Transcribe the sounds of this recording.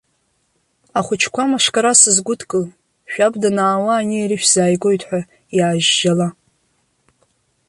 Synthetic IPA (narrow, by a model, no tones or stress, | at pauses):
aχʷʊt͡ʃʰkʷʰamaʂkʼaɾasɨzɡʷʊtkʼɨl | ʃᶣabdanaːwaːnieɾɨʃᶣz̥aːjɡo̞jtʰʼħʷᶣa | jaːʒːala